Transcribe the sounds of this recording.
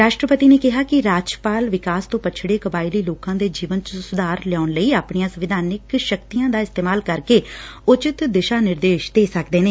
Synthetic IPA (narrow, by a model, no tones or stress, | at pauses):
ɾaːʃʈɾəpət̪iːneːkɪɦaːkɪɾaːd͡ʒpaːlʋɪkaːst̪õːpət͡ʃʰɽeːkəbaːɪliːloːkãːd̪eːd͡ʒiːʋənt͡ʃəsʊd̪aːɾljaːʊnləiːaːpɳijãːsəʋɪd̪ʱaːnɪkʃəkt̪ijãːd̪aːɪst̪eːmaːlkəɾkeːʊt͡ʃɪt̪d̪ɪʃaːnɪɾd̪eːʃd̪eːsəkd̪eːneː